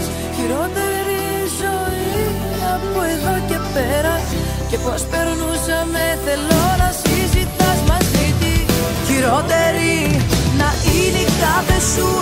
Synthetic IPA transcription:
çiɾo̞t̪e̞ɾi | zo̞i | ɐpoeðo̞ce̞peɾɐ | ce̞po̞spe̞ɾnusɐme̞θe̞lo̞nɐsizit̪ɐzmɐzit̪i | çiɾo̞t̪e̞ɾinɐʔinikɐθe̞su

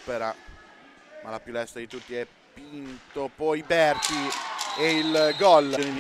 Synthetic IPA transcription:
peɾa | malapjulɛst̪ad̪it̪ut̪ːiɛ | pːint̪opɔjbɛrt̪ieilɡɔloned̪i

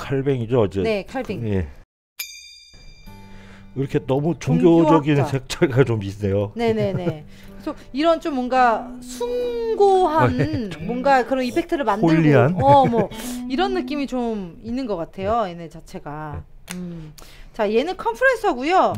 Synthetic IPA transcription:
kʰaɭbe̞ŋid͡ʑoʌd͡ʑene̞kʰaɭbeŋje̞ | iɾʌkʰe̞nʌmut͡ɕoŋɡjod͡ʑʌɡinsʰek̚t͡ɕ͈ʰaɭɡat͡ɕomisnejone̞ne̞nekɯɾesʰʌ | iɾʌnt͡ɕ͈omːwʌnɡasʰunɡoɦanmwʌnɡakɯɾʌnipʰe̞k̚tʰɯɾɯɭmandoɯɭʎːiɦanʌmwʌiɾʌnːɯk͈imit͡ɕominːɯnɡʌk͈atʰe̞jojenet͡ɕat͡ɕʰe̞ɡa | ɯmt͡ɕaje̞nɯnkʰʌnpʰɯɾens͈ʰɦaɡujo

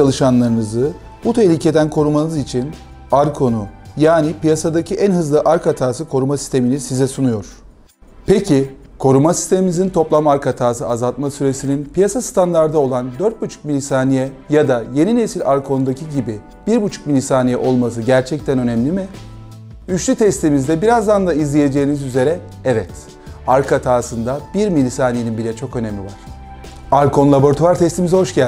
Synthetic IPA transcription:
alˠɯʃanlˠaɾɯnɯzɯ | but̪ʰe̞ɦlʲicʰe̞d̪ænkʰo̞ɾumanɯzit͡ʃʰin | aɾkʰo̞nujaːnipijasad̪acʰiʔænɦɯzlˠɯʔaɾkat̪ʰaːsɯkʰo̞ɾumasi̥st̪ʰe̞minizsizɛsunujo̞ɾ̥ | pʰecʰi | kʰo̞ɾumasi̥st̪ʰe̞mimizint̪ʰo̞plˠamaaɾkat̪ʰaːsɯazalˠt̪̚masyɾe̞sininpʰijasast̪ʰand̪aɾd̪ao̞lˠand̪øɾt̪̚but͡ʃʰu̥k̚milʲisaːnijɛ | jad̪aje̞ninesilʲaɾkʰo̞nd̪acʰiɟibi | b̥iɾbut͡ʃʰu̥k̚milʲisaːnijɛʔo̞lˠmas̬ɯɟæɾt͡ʃʰɛc̚t̪ʰænø̞nɛmlʲimɪ | yt͡ʃlʲyt̪ʰɛst̪ʰimizd̪ɛbiɾazd̪and̪aizlʲije̞d͡ʒe̞jːnizyze̞ɾɛ | ɛvɛt̪ | aɾkʰat̪ʰaːsɯnd̪abiɾmilʲisaːnijeninbilʲɛt͡ʃʰo̞kø̞nɛmlʲivaɾ̥ | aɾkʰo̞nlˠabo̞ɾt̪ʰuaɾt̪ʰɛst̪imizɦo̞ʃɟæ

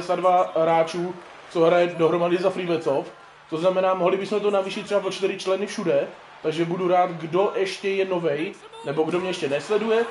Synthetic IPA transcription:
sadvaɦɾaːt͡ʃuː | t͡soɦɾajɛdo̞ɦɾomadɪzafɾivɛt͡sof | t̪o̞znamɛnaːmoɦlɪbɪsmɛt̪onaviːʃɪt̪ːrɛbap̬ot͡ʃt̪ɪɾɪt͡ʃlɛnɪfʃudɛ | t̪aɡʒɛbuduɾaːt̪ɡdo̞ʔɛʃcɛjɛno̞vɛj | nɛbo̞ɡdomɲɛjɛʃcɛnɛslɛdujɛ

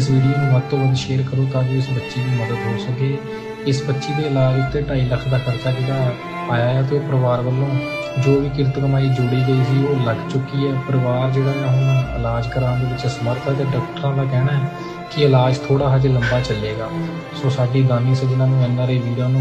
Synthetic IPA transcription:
ɪsʋiːɖijoːnũːʋəd̪t̪õːʋəd̪ʃeːɾkəɾoːt̪aːʋiːɪsbətːʃiːd̪iːməd̪əd̪ɦoːsəkeː | ɪsbətːʃiːd̪eːəlaːd͡ʒʊt̪ːeːʈaːiːləkʰd̪aːkʰəɾt͡ʃaːkit̪aː | aːjaːɛːt̪eːoːpəɾəʋaːɾʋəlːõː | d͡ʒoːʋiːk̬ɪɾt̪ukəmaːiːd͡ʒʊɽiːɡəiːsiːoːləɡt͡ʃʊkːiːɛːpəɾʋaːɾd͡ʒeːɽaːɦaɪlaːd͡ʒkəɾãːnd̪eːʋɪt͡ʃsəməɾt̪ʰɛːt̪eːɖaːkʈəɾãːd̪aːkɛːɽaːɛː | kɪəlaːd͡ʒt̪ʰoːɽaːɦəd͡ʒeləmbaːt͡ʃəlːeːɡaː | soːsaːɖiːd̪aːniːsːd͡ʒɪnãːnũːɛːnːãːɾeːʋiːɽãːnũː

